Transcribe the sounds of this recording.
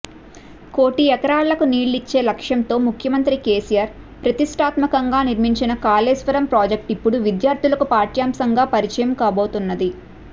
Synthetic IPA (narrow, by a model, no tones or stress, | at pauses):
koːʈiɛkɐɾaːɭːɐkuniːɭːit͡ʃːe̞ːlɐkʂjɐnt̪o̞ːmukʰjɐmɐnt̪ɾikeːsijaːɾ | pɾɐt̪iʂʈʰaːt̪mɐkɐŋɡaːniɾmiɲt͡ʃinɐkaːleːsʋɐɾɐmpɾaːd͡ʒek̚ʈipːuɽuʋid̪jaːɾt̪ʰulɐkupaːɾʈjaːmsɐŋɡaːpɐɾit͡ʃɐjɐmkaːbo̞ːt̪unːɐd̪i